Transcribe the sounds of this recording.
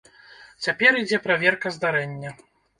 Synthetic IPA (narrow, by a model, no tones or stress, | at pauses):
t͡sʲapʲɛɾid͡zʲɛpɾavʲɛrkɐzd̪aɾɛnʲːɐ